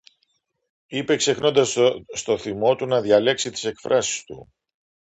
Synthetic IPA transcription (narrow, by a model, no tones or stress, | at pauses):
ipe̞kse̞xno̞nd̪ɐsst̪o̞θimo̞t̪unɐðʝɐle̞ksit̪i̥se̞kfɾɐsi̥st̪ṵ